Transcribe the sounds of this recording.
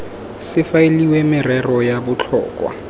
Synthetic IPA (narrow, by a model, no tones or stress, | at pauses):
sɪfaeliwemɪrɛrɔjabʊt͡ɬʰɔ̰ːkʼwa̰